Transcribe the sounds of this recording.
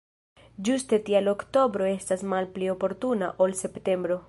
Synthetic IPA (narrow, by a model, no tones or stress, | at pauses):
d͡ʒuste̞tialo̞kto̞bɾo̞e̞stasmalplio̞po̞ɾtunaʔo̞lse̞pte̞mbɾo̞